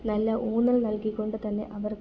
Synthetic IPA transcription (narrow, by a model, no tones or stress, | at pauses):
nɐlːɐʔuːnːɐɭnɐlkikːo̞ɳɖɨt̪ɐnːe̞̰ʔɐʋɐr